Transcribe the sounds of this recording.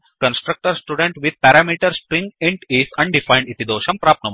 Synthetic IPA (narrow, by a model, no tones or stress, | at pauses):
kə̃nsʈɾɐk̚ʈəɾsʈuːɖẽɳʈʋid̪̚pɛɾamiːʈəɾspɾĩŋɡẽɳʈisɐ̃ɳɖifaj̃ɳɖit̪id̪oːʃɐmpɾaːp̚nɐm